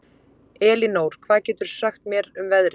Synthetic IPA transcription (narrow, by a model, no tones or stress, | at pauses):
ɛːlinoːwɾ̥kʰvaːðcɛːt̪ʏɾ̥saxt̪mjɛɾʏmvɛðɾɪ